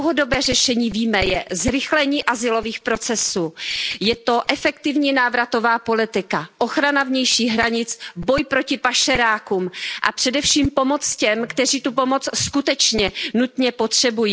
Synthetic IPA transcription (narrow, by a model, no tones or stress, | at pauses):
wɦodo̞bɛːrɛʃɛɲiːviːmɛjɛzɾɪxlɛɲiːʔazɪlo̞viːxpɾo̞t͡sɛsuːjɛt̪o̞ʔɛfɛkt̪ɪvɲiːnaːvɾat̪o̞vaːpo̞lɪt̪ɪkaʔoxɾanavɲɛjʃiːɣɦɾaɲɪt͡sbo̞jpɾo̞cɪpaʃɛɾaːkumʔa̰pr̝̥ɛdɛfʃiːmpo̞mo̞t͡scɛmkt̪ɛriːt̪upo̞mo̞t͡sskut̪ɛt͡ʃɲɛnut̪ɲɛpo̞t̪r̝̥ɛbujiː